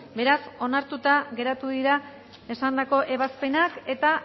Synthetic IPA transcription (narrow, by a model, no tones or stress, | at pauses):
be̞ɾaso̞naɾt̪ut̪aɣe̞ɾat̪uðiɾa | e̞sand̪ako̞ʔe̞β̞aspe̞nake̞t̪a